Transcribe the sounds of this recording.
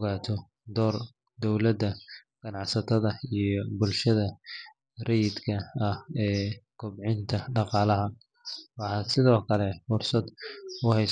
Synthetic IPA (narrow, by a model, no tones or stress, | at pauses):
ɣaːt̪ʰɔ | d̪ɔːr | d̪ɔwlɐd̪ɐ | ɡ̥ɐnɑʕsɐt̪ʰɐðɐijɞbʊlʃɐðɐ | rɛjɪd̪kʰɐɐhɛːkʰʊbʕɪnt̪ʰɐɖɑqɑːlɐɦɐ | wɑħɑsɪðɔːkʰɐlɛfʊrsɐd̪ʊhɛjs